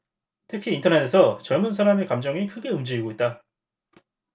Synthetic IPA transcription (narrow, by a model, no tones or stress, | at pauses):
tʰɯkʰiːntʰʌnetʰe̞sʰʌt͡ɕʌɭmunsʰaɾamekamd͡ʑʌŋikʰɯɡe̞ɯmd͡ʑiiɡoit̚t͈a